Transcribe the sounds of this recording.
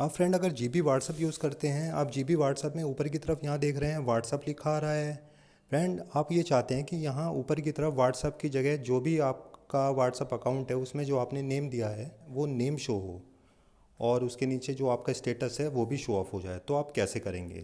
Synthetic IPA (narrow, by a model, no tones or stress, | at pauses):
aːpfɾɛ̃ːɳɖɐɡəɾd͡ʒiːbiʋaːʈsəpjuːzkɐɾt̪eɦɛ̃a̰ːpd͡ʒiːbiʋaːʈsəpmẽuːpəɾk̬it̪ɐɾəfʰjɐɦãd̪eːkʰɾɐɦẽɦɛ̃ʋaːʈsəplɪkʰaɾɐaɦɛː | fɾɛ̃ːɳɖaːpjet͡ʃaːɦt̪eɦɛ̃kijɐɦãuːpəɾk̬it̪ɐɾəfʰʋaːʈsəpkid͡ʒɐɡɛɦd͡ʒoːbʱiaːp̚kaʋaːʈsəpɐkãːʊ̃ɳʈɦɛʊsmẽd͡ʒoːaːpneneːmd̪ijaɦɛʋoːneːmʃoːɦo̰ː | ɔːɾʊskeniːt͡ʃed͡ʒoːaːpkaɪsʈeːʈəsɦɛʋoːbʱiʃoːaːfɦod͡ʒa̰ːet̪oaːpkɛːsekɐɾẽːŋɡḛː